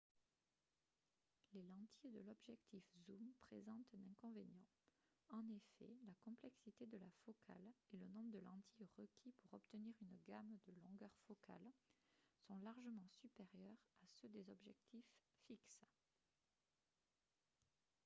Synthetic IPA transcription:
lelɑ̃t̪jed̪əlɔbʒɛkt̪ʰifzumpχezɑ̃t̪ɛ̃nɛ̃kɔ̃venjɑ̃ | ɑ̃nefɛ̰lakɔ̃plɛksit̪ed̪əlafɔkʰa̰lelənɔ̃bʁəd̪əlɑ̃t̪jeʁəkʲʰipuʁɔpt̪əniʁynɡamd̪əlɔ̃ɡœʁfɔkʰa̰l | sɔ̃laʁʒəmɑ̃sypeʁjœʁasød̪ezɔbʒɛ̰k̚t̪ifːiks

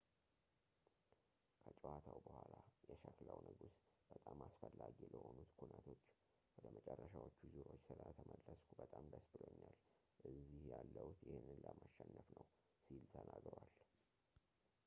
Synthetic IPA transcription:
kʰət͡ʃʼəwat̪ʰawbəhʷalajɛʃəklawnɨɡusb̥ət̪ʼamasfəlːaɡiləho̞nut̪kʰunət̪ʰo̞t͡ʃː | wɔd̪əmʔət͡ʃʼɛrːəʃawot͡ʃːuzuɾo̞t͡ʃːsɨlət̪ʰəmʔəlːəskʰubət̪ʼamd̪əsbɨlo̞ɲːal | ʔɨzːihjalːəut̪jɪhenɨnləmaʃːɛnːəfnəw | silt̪ʰənʔaɡɾwal

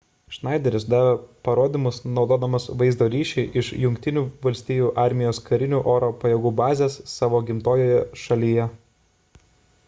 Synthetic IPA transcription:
ʃnɑˑɪd̪ʲɛɾʲɪsd̪ɑːʋʲepɐɾoːd̪ʲiːmʊsnɒʊd̪oːd̪ɐmɐsʋɐɪzd̪oːɾʲiːʃʲɛɪʔɪʃjʊŋʲkʲt̪ʲɪnʲuːʋɐlʲsʲt̪ʲiːjuːʔɑˑɾʲmʲɪjoːskɐɾʲɪnʲuːʔoːɾoːpɐjɛɡuːbɑːzʲeːsːɑːʋoːɡʲɪmt̪oːjoːjɛʃɐlʲijɛ

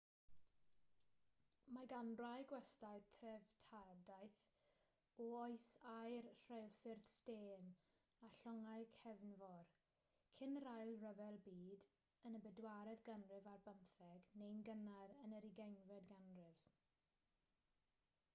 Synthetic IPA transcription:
maɡanrajɡwɛstajtʰɛvtʰadajθ | ɔɔɨsajrrejlˠfɪrθsteːn | aɬɔŋaɨkʰɛvnvɔr | kʰɪnrajlˠrəvɛlˠbiːd | ənəbɛdwaɾɛðɡanrɪvarbənθɛɡnejnɡənaɾənəɾiɡɛjnvɛdɡanrɪv̥

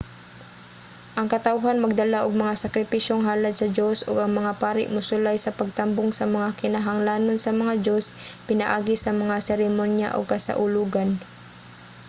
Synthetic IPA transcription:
ʔɐŋkɐt̪aʔʊɦanmɐɡ̚d̪ɐlaʔoɡ̚mɐŋasɐkɾɪpiʃoŋɦaːlɐd̪̚sɐd̪o̞soɡɐŋmɐŋapaːɾɪ̰ʔmʊsʊlajsɐpɐɡ̚t̪ambʊŋsɐmɐŋakɪnaɦaŋlaːnonsɐmɐŋad̪o̞spɪnaʔaːɡɪsɐmɐŋasɛɾɪmonja̰ʔo̰ɡ̚kɐsɐ̰ʔʊluːɡan

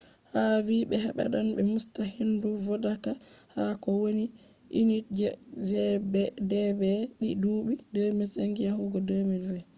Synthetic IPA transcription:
haviːɓɛhaɓa̰ɗanɓɛmustahinduvɔdakahakɔwoni | ʔinid͡ʒɛzɛbɛdɛbɛɗiduːɓidəːmisaŋɡijahuɡɔdəmiɾɾɛ

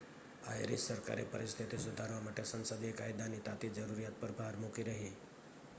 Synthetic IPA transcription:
a̰jɾissəɾka̰ɾḛpə̰ɾɪst̪ʰit̪isʊd̪ʱaɾʋamaʈesə̃nsəd̪iekajd̪anit̪at̪id͡ʒəɾuɾijat̪̚pəɾbʱaaɾmukiɾəɦi

